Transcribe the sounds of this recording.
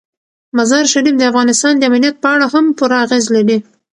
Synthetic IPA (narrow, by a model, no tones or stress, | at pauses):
mazɑɾʃaɾifd̪əafɣɑnɪst̪ɑnd̪əamnijat̪̚pəaɽaɦampuɾaːɣezlaɽi